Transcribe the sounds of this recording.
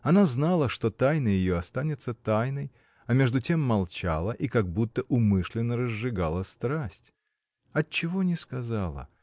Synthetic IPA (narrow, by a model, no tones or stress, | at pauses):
ɐnaznalˠəʂt̪o̞t̪ajnɨjɪjoɐst̪anʲɪt̪sət̪ajnəj | ɐmʲe̞ʐd̪ʊtʲe̞mːɐlˠt͡ɕalˠəʔikɐɡ̚but̪ːəʔʊmɨʂlʲɪnːəɾəzːɨɡalˠəst̪ɾasʲtʲ | ɐt͡ɕːɪvo̞nʲɪskɐzalˠə̰